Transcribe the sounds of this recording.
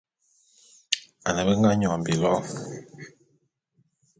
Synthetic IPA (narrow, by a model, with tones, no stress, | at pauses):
a˨nə˨bə˦ŋɡa˦ɲɔ˨m˨bi˨lɔ˦